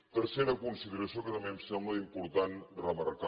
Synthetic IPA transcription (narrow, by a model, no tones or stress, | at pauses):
t̪əɾseɾəkunsiðəɾɐsijokət̪ɐmemsɛmbləimpuɾt̪anrəməɾka